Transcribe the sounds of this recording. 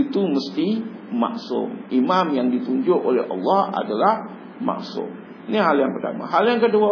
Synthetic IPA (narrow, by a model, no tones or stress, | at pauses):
it̪uməst̪ima̰ksʊ̰mimamjaŋdit̪uɲd͡ʒʊʔolɛ̰ɦʔɑ̰lːɑha̰dalah | ma̰ʔksʊ̰m | niɦaljaŋpərt̪a̰ma̰ɦaljaŋkədua